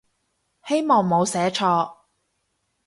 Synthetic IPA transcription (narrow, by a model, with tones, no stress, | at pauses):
he˥jmɔː˨ŋmo˨˧wsɛː˨˥t͡ʃʰɔː˧